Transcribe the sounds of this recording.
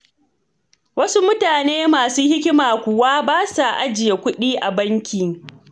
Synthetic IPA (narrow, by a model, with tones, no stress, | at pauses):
wɐ˦su˦mʊ˦taː˨neː˦maː˨suː˦hɪ˦kʲɪ˦maː˨kʷʊ˨waː˦baː˦sa˨ʔa˦d͡ʒɪ˨ja˨kʷʊ˦ɗiː˦ʔa˨bɐ˦ŋkʲiː˨